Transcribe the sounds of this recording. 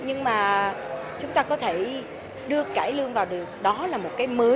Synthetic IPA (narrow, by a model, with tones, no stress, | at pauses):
ɲɨ˧ŋmaː˨˩t͡ɕʊ˨˦ŋ͡mt̪aː˧kɔ˨˦t̪ʰe˧˩ | ɗɨ˧əkaː˧˩jlɨ˧əŋvaː˨˩wɗɨ˨˩ək̚ɗɔ˨˦laː˨˩mo˨˩t̚kaː˨˦jməː˨˦